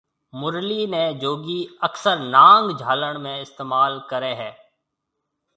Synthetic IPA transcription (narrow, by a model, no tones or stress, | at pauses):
mʊɾliːnẽd͡ʒoːɡiːəksəɾnãːŋɡd͡ʒʱaːləɳ̃mẽɪst̪eːmaːlkəɾeːɦɛː